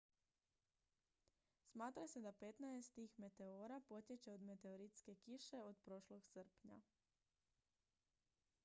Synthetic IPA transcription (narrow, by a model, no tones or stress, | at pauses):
smaːt̪ɾase̞d̪ape̞t̪naest̪iːxme̞t̪e̞oɾapo̞t̪je̞t͡ʃe̞od̪me̞t̪e̞oɾit̪ske̞kiʃe̞od̪pɾo̞ʃlo̞ɡsəɾpɲa̰